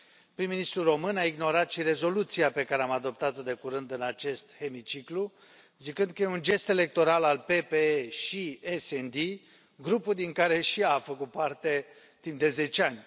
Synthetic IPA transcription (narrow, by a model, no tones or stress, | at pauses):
pɾimːinist̪ɾuro̞mɨnaiɡno̞ɾat̪ʃiɾe̞zo̞lut̪siape̞kaɾe̞amad̪o̞p̚t̪at̪o̞d̪e̞kuɾɨnd̪ɨnat͡ʃe̞st̪he̞mit͡ʃiklu | zikɨnd̪̚kəje̞und͡ʒe̞st̪e̞le̞k̚t̪o̞ɾalalpe̞peeʃiesend̪i | ɡɾupuld̪iŋkaɾe̞ʃiafəkut̪̚part̪e̞ | t̪impd̪e̞ze̞t͡ʃeanʲ